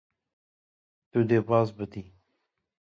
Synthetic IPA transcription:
t̪ud̪epɑzbət̪i

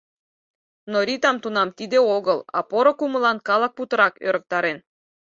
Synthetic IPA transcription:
noɾit̪ɑmt̪unɑmt̪id̪eoɣəlɑ̰poɾokumə̆lɑnkɑlˠɑk̚put̪ɤ̆ɾɑkø̰ɾə̆k̚t̪ɑɾen

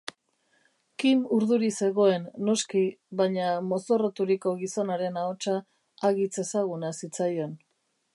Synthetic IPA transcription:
kimuɾðuɾise̞ɣo̞e̞nːo̞skiβaɲamo̞so̞rot̪uɾiko̞ɣiso̞naɾe̞naot͡ʃaː | ɣit͡se̞saɣunasit͡sajo̞n

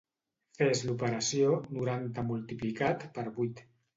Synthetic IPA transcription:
fezlupəɾasjonuɾant̪amult̪iplikat̪pəɾβujt̪

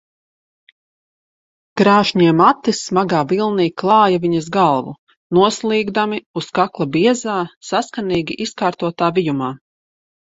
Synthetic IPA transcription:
ɡ̥ɾaːʃɲiɛmat̪ːismaɡaːvilˠniːklˠɑːjaviɲɐzɡalˠvṵ | nuɔslˠiːɡd̪amiuskaklˠabiɛzaːsaskaniːɡʲiʔiskaːɾt̪uɔt̪aːvijumaː

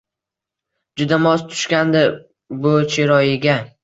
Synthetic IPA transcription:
d͡ʒʊd̪amɒst̪ʰʊ̥ʃkʲand̪ɪ | bʊt͡ʃʰeɾɒjɪɡʲa

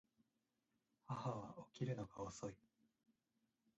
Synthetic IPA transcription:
hahaβaokʲiɾɯ̟no̞ɡaoso̞i

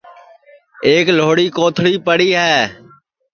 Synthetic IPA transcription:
eːkloːɽiːkoːt̪ʰɽiːpəɽiːɦɛː

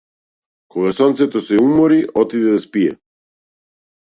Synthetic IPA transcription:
kɔɡasɔnt̪sɛt̪osɛumɔɾiʔɔt̪id̪ɛd̪aspiɛ̰

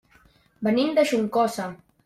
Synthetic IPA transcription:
bənind̪əʃuŋkɔsa

